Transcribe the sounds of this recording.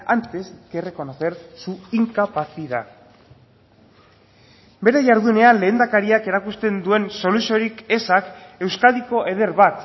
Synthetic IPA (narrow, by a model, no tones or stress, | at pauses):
ant̪esɡere̞ko̞no̞θe̞ɾsuiŋkapaθiða | be̞ɾe̞ʝaɾðune̞anle̞ːnd̪akaɾiake̞ɾakust̪e̞nd̪ue̞nso̞lusio̞ɾike̞sake̞wskaðiko̞ʔe̞ðe̞ɾβat̪